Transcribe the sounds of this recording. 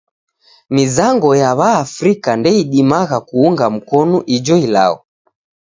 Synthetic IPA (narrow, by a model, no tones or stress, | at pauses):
mizaŋɡɔjaβaːfɾikandɛiɗimaɣakuuŋɡam̩kɔnuʔid͡ʒɔila̰ɔ